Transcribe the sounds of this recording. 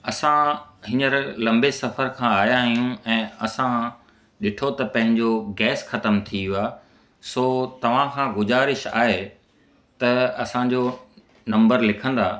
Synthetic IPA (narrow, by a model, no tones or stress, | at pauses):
ɐsãɦɪnəɾlɐ̃mbesɐfəɾkʰãːaːjãɦijũɛ̃ːɐsã | ɗɪʈʰot̪ɐpɐ̃ɦɪ̃ɲd͡ʑoɡɛːsxɐt̪əmt̪ʰiɦuaː | soːt̪ɐʋ̤ãkʰãːɡʊzaːɾɪʃa̰ːɦe | t̪ɐɐsãd͡ʑo | nɐ̃mbəɾlɪkʰə̃n̆d̪aː